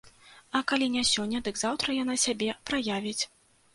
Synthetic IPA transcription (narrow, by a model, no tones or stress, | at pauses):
ɐkalʲinʲasʲɔnʲːɐd̪ɨɡzawt̪ɾɐjan̪asʲabʲɛpɾajavʲit͡sʲ